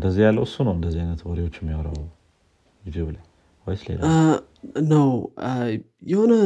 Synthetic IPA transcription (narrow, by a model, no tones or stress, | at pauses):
ɨnd̪əzːijalːəwɨsːunəwɨnd̪əzːiajnət̪wɔɾiwot͡ʃːɪmːɪwəɾəw | izubɨlə | wɔjslḛl̰ː | nəw | jɛhonə